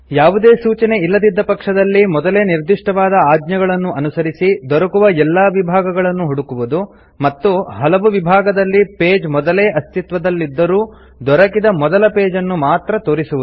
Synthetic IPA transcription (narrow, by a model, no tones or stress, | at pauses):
jaːʋud̪eːsuːt͡ʃɐne̞ilːɐd̪id̪ːɐpɐkʂɐd̪ɐlːimɔd̪ɐleːniɾd̪iʂʈɐʋaːd̪ɐaːd̪ɲjɐɡɐɭɐnːuʔɐnusɐɾisid̪ɔɾɐkuʋɐɛlːaːʋibʱaːɡɐɡɐɭɐnːuɦɔɽukuʋud̪u | mɐt̪ːuɦɐlɐʋuʋibʱaːɡɐd̪ɐlːipeːd͡ʒmɔd̪ɐleːʔɐst̪it̪ʋɐd̪ɐlːid̪ːɐɾuː | d̪ɔɾɐkid̪ɐmɔd̪ɐlɐpeːd͡ʒɐnːumaːt̪ɾɐt̪o̞ːɾisuʋud̪u